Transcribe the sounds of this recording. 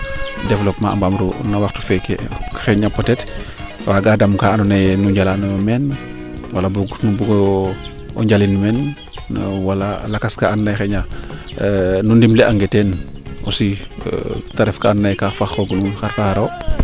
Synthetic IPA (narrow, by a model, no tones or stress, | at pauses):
dɛvlopmaa̰mbamɾṵnawaxtu̥fɛkḛxeɲapotɛt | waɡadamkaanunajnuɲɟalanomɛn | walabuɡnubuɡ | ɔ̰ɲɟalinmɛn | walalakaskaannajxeɲa | nundimleaŋɡɛten | ʔosi | taɾɛfkaannajkafaxoɡununxaɾfaxaɾo